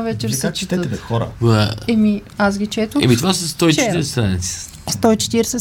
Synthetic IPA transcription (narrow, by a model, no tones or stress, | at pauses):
vɛt͡ʃɛɾsɛt͡ʃit̪xɔɾə̰aɛmiasɡʲit͡ʃɛt̪əɛ̰mit̪vasəst̪ɔit͡ʃɛiɾsɛst̪ɾanḭt̪sə̥ | st̪ɔit͡ʃɛ̥t̪iɾsɛ